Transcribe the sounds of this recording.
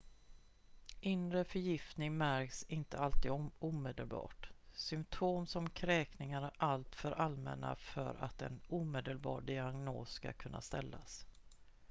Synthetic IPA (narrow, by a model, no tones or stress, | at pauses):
ʔɪnɾəfœɾjɪft̪nɪŋmæɾksɪnt̪əalt̪iːd̪uːmeːd̪əlbɑ̰ːʈsʏmt̪ʰoːmsɔmkʰɾɛːknɪŋaɾʔalt̪fœɾʔalmɛ̰nːa̰fœ̰ɾʔa̰t̪ɛ̰nuːmeːd̪əlbɑ̰ːɖɪaɡno̰ːsska̰kʰɵnːa̰st̪ɛlːas